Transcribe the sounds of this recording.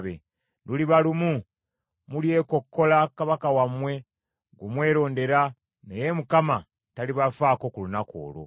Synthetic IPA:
βḛ | duliβalumu | mulje̞ko̞kːo̞lakaβakawamwe̞ | ɡumwe̞ːɾo̞ːnde̞ɾa | nejemukama | taliβafaːko̞kulunako̞̰ːlo̰

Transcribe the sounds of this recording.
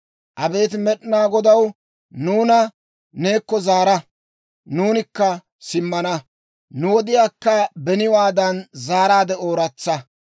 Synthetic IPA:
ʔɐbe̞ːt̪̬ɪmɛɗɪnaːɡɔd̪ɐw | nuːnɐ | ne̞ːkːɔzaːɾɐ | nuːnɪkːɐ | sɪmːɐnɐ | nʊwɔd̪ɪjaːkːɐbɛnɪwaːd̪ɐnzaːɾaːd̪ɛoːɾɐt͡sːɐ

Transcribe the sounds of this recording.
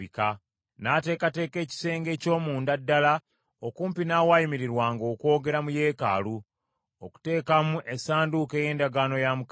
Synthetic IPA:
ika | nate̞ːkate̞ːke̞ːci̥se̞ːŋɡe̞ːco̞ːmuːndadːala | okuːmpinaːwajimiɾiɾwaːŋɡo̞ːkwo̞ːɡe̞ɾamuje̞ːka̰lu | oku̥te̞ːkamuʔe̞saːnduke̞ːje̞ːndaɡaːno̞jamuk

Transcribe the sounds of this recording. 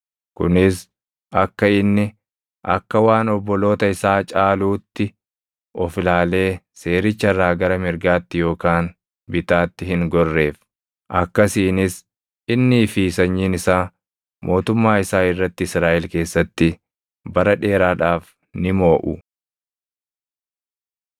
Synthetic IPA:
kʊ̰nɪs | ɐkːɐɪnːɪ | ʔɐ̰kːɐwaːnɔbːɔlo̞ːt̪ɐɪsaːt͡ʃʼaːluːt̪ːɪ | ɔflaːle̞ː | se̞ːɾɪt͡ʃːɐɐrːaːɡɐɾɐmɪɾɡaːt̪ːɪjo̞ːkaːn | bɪt̪aːt̪ːɪhɪŋɡɔrːe̞ːf | ʔɐkːɐsiːnɪs | ɪnːɪːfisɐɲːiːnɪsaː | mʔo̞ːt̪ʊmːaːɪsaːɪrːɐt̪ːɪɪsɾaːʔɛlke̞ːsːɐt̪ːɪ | bɐɾɐᶑe̞ːɾaːᶑaːf | nɪmo̞ːʔʊ̰

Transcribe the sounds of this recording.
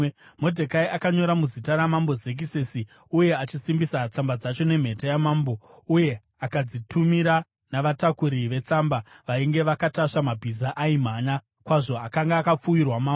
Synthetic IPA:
mo̞dʱekaiʔakaɲo̞ɾamuzitaɾamambo̞ze̞k̬isesi | uje̞at͡ʃisimbisat͡sambad͡zat͡ʃo̞ne̞m̤e̞tajamaːmbo̞ | uje̞ | akad͡zitʰumiɾa | naʋatakuɾiʋe̞t͡sambaʋaiŋɡe̞ʋakataʂamabʱizaʔaim̤aɲa | kwaʐo̞akaŋɡaːkap͡fujirwamaːmbo

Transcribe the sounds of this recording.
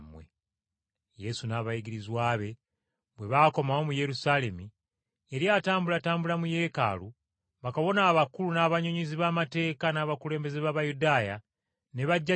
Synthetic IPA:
mwḛ | je̞sunaːβajiɡiɾizwaːβe̞ | βwe̞βaːko̞maomuje̞ɾusale̞mi | eɾjaːtaːmbulataːmbulamuje̞ːka̰lu | βakaβo̞naːβakulunaːβaɲoɲiziβaːmate̞ːkanaːβakule̞ːmbe̞zeβaβajudaːja | ne̞βaɟːa

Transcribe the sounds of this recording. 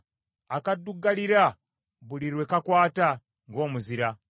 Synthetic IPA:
akaduɡaliɾa | βuliɾwe̞kakwaːta | ŋɡo̞ːmuziɾa

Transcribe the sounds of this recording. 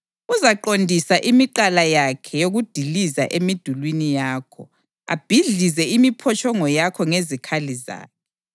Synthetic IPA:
uzaǃondʱisaʔimiǃalajakʰɛjoɣud̥ʱiliza̰ʔemid̥ʱulwinijaːkʰɔ | a̰b̥ʱiɮizɛimipʰɔt͡ʃʰʼɔŋɔjakʰɔŋezikʰaliza̰ːkʰɛ

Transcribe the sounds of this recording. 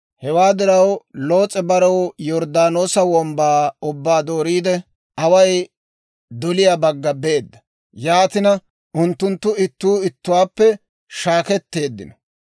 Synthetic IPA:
hɛwaːd̪ɪɾɐwlo̞ːt͡sʼɛbɐɾɔwjɔɾd̪aːno̞ːsɐwɔmbaːʊbːaːd̪o̞ːɾiːd̪ɛ | ɐwɐj | d̪ɔlɪjabɐɡːɐbe̞ːd̪ːɐ̥ | jaːt̪ɪnɐ | ʔʊnt̪ːʊnt̪ːʊɪt̪ːuːɪt̪ːʊwaːpːɛ | ʃaːkɛt̪ːe̞ːd̪ːɪ̰nɐ

